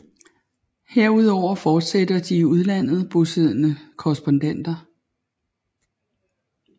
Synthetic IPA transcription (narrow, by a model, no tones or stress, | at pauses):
heɐ̰uð̞ˠɒʊ̰ɐfɒːd̥sed̥ɐd̥iuð̞ˠlæn̰ð̞̩ˠb̥o̝seð̰ˠnəkʰɒɛsb̥ond̥en̰d̥ɐ